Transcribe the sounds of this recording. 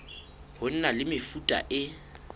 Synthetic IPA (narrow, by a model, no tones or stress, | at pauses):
hʊn̩nalɪmɪfutʼa̰ʔɪ